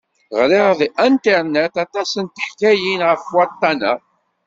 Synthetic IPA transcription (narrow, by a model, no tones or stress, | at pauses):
ʁɾiʁðiʔænt̪eɾnæt̪ɑt̪ˤɑsənt̪ə̥ħkæjinʁəfwɑt̪ˤːɑnæ̰